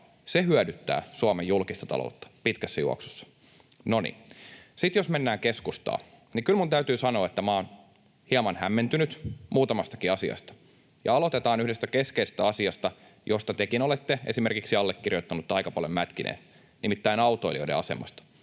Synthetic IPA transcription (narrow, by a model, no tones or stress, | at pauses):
sehyœdyt̪ːæ̰ːsuɑmejulkist̪ɑt̪ɑ̰lo̰ut̪ːɑ̥pit̪kæsːæjṵo̰ksu̥sːɑ̥ | nonḭsit̪josmenːæːŋkeskust̪ɑ̰ː | nikylmunt̪æyt̪yːsɑno̞ːet̪ːæmɑːn | hiɑmɑnhæmːent̪ynyt̪muːt̪ɑmɑst̪ɑ̥kiɑsiɑ̰st̪ɑ̥ | jɑ̰ɑlo̞t̪et̪ɑːnyhdest̪ækeskeise̥st̪æɑsiɑst̪ɑ | jʔost̪ɑt̪ekinolet̪ːeesimerkiksiɑlːekːirjot̪ːɑnut̪ːɑikɑpɑljomæt̪kinʔḛːn | nimit̪ːæinɑwt̪oilio̰idḛɑse̞̰mɑ̰st̪ɑ̥